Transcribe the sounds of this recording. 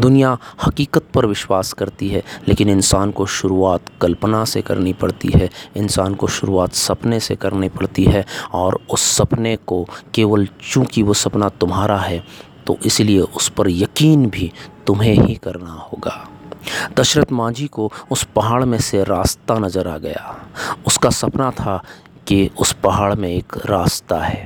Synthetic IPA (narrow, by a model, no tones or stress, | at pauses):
d̪ʊnijahɐkiːkət̪̚pɐɾʋɪʃwaːskɐɾt̪iɦɛleːkɪnɪnsaːnkoʃʊɾuaːt̪kɐlpnasekɐ̰ɾnipɐɽt̪ḭɦɛɪnsaːnkoʃʊɾuaːt̪sɐpnesekɐɾnipɐɽt̪iɦɛɔːɾʊsːɐpnekokeːʋəlt͡ʃũːkiʋosɐpnat̪ʊmɦaːɾaɦɛt̪o̰ʔɪslieʔʊspɐɾjɐkiːnbʱit̪ʊmɦẽɦikɐɾnahoːɡaːd̪ɐʃɾət̪mãːd͡ʒikoʊspɐɦaːɭmẽseɾaːst̪anɐzəɾaːɡɐja̰ːʊskasɐpnat̪ʰa | kiʊspɐɦaːɭmẽeːkɾaːst̪aɦɛː